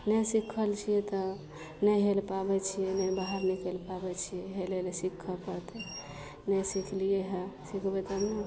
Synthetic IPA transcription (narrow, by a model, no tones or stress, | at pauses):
nɛsikʰəlt͡ʃʰijet̪ɔ | nɛɦelpabɛt͡ʃʰijɛnɛbaɦəɾnɛkelpabɛt͡ʃʰijeɦelelesikʰːəpəɾt̪ɛ | nɛsikʰlijeɦẽsikʰbɛt̪əmnɛ